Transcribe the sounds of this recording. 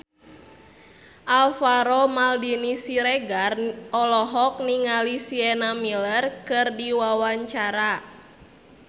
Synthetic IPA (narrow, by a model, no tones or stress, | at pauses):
ʔalfaɾomaldinisiɾeɡarɔlɔɦɔk̚niŋalisiɛnamilərkɨrdiwawaɲt͡ʃaɾa